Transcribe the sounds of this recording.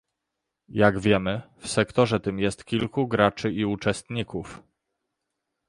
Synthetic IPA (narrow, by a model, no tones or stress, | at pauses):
jaɡvʲjɛmɘfsɛkt̪ɔʐɛt̪ɘmjɛst̪kʲilkuɡɾat͡ʂɘiut͡ʂɛst̪ɲikuf